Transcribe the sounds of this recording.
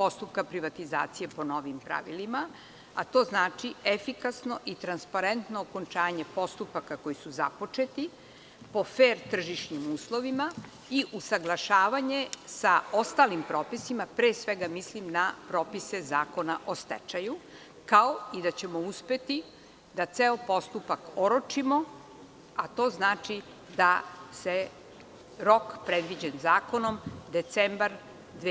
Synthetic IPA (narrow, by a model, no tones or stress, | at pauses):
po̞st̪up̚kapɾiʋat̪iza̰ːt̪sije̞po̞no̞ʋimpɾa̰ʋḭlima | a̰t̪o̞ːznaːt͡ʃiefikasno̞ʔit̪ɾanspaɾent̪noːko̞nt͡ʃaːɲe̞po̞st̪upakako̞jisuza̰po̞t͡ʃe̞t̪i | po̞feːɾt̪r̩ʒiʂɲimuːslˠo̞ʋima | iʔusaɡlˠaʃaːʋaɲe̞sao̞st̪alimpɾo̞ːpisimapɾeːsʋe̞ɡamislimnapɾo̞ːpise̞zaːko̞naʔost̪ḛt͡ʂaju | kao̞id̪at͡ɕe̞mouspe̞t̪i | d̪at̪seopo̞st̪upakoɾot͡ʂimo | at̪o̞ːznaːt͡ʃi | d̪ase | ɾo̞kpɾed̪ʋid͡ʑenzaːko̞no̞md̪e̞t̪sembaɾ | d̪